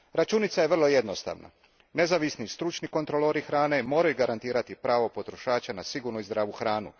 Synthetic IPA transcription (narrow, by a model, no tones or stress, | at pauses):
ɾat͡ʃunit̪saje̞ʋr̩lˠo̞je̞d̪no̞st̪a̰ʋna̰ | ne̞zaʋisnist̪ɾut͡ʃniko̞nt̪ɾo̞loɾixɾaːne̞mo̞ːɾajuɡaɾant̪iːɾat̪ipɾaːʋo̞po̞t̪ɾo̞ʃaːt͡ʃanasiɡuɾnuizd̪ɾaːʋuxɾaːnṵ